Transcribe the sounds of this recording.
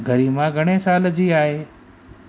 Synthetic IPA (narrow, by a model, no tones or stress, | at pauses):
ɡʱəɾiːmãɡʱɐɽ̃esaːld͡ʑiːaːɦeː